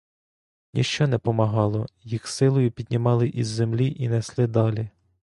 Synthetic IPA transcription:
nʲḭʃt͡ʃɔnɛpɔmɐɦɑlˠɔjixsɪlˠɔjʊpʲid̪̚ʲnʲimɑlˠɪʔizːemlʲiʔinɛslˠɪd̪ɑlʲi

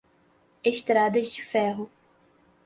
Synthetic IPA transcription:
eʃt̪ɾad̪ɐzd͡ʒɪfɛɦʊ

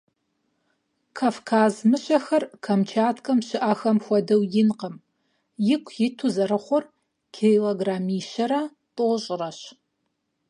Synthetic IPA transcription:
kʰaːfkʰaːzmɨɕɐxɐrkʰɐmt͡ʃʰaːtʰkʼɐmʃɪʔaxɐmxʷɔdɐwjɪnqəm | jɪkʷʰjɪtʰuzɐɾɨχʷɔr | kʰeloɡraːmiːʃɐɾɐ | tʼoːɕʼɪrɐɕ

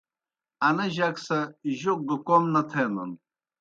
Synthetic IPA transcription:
ɐnɐʑaksɐʑok̚ɡukomnɐt̪ʰenṵn

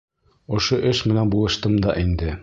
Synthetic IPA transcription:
ŏʃoʔɘʃmɘ̆nænbulˠɤ̆ʃt̪ɤmd̪ɑʔind̪ɘ

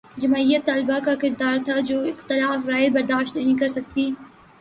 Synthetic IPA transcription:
d͡ʒɐmaːijət̪ːaːlɪbakakɪɾd̪aːɾt̪ʰad͡ʒoːɪxt̪ɪlaːfɾaːjɪd̪̚bɐɾd̪aːʃt̪nɐɦĩkɐɾsɐk̚t̪iː

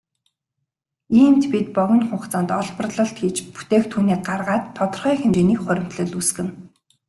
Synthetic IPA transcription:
iːmt̪pit̪̚pɔɣʲɞ̆nχʊχt͡saːnt̪ɔɮpɞə̆rɮɞ̆ɬt̪ɡiːt͡ɕpu̥t̪eːk̚t̪ʰuːniːk̚ɢarʁaːt̪ʰːɔt̪ɞ̆rχœːxemt͡ɕeːniːkχœɾʲɪ̆m̥t̪ɮɵ̆ɮusɡɘ̆n

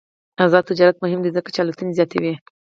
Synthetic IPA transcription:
azɑd̪̚t̪ɪd͡ʒɑɾat̪mʊɦɪmd̪əzakḁt͡ʃalut̪unezjɑt̪ḛwi

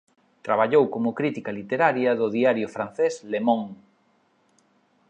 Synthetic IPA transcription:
t̪ɾaβ̞aʎowkomʊkɾit̪ikɐlit̪eɾaɾjɐðʊðiaɾjʊfɾan̟θeslemõŋ

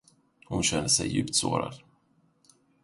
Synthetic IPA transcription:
hʊnɕɛnd̪əsɛjːʉ̟ːpt̪soːɾa̰d̪

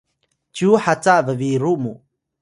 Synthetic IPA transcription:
t͡ʃuħat͡saʔvəviɾumu

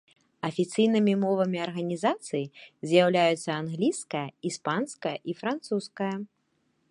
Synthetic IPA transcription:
ɐfʲit̪sɨjnɨmʲimɔvɐmʲiɐrɣɐnʲizat̪sɨjizʲjawlʲajut̪sːɐanɣlʲiskɐjɐispanskɐjɐʔifɾant̪suskɐjɐ

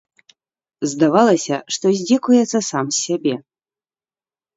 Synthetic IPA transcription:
zd̪avalˠɐsʲɐʂt̪ɔzʲd͡zʲɛkujɛt̪sːɐsamsʲːabʲe

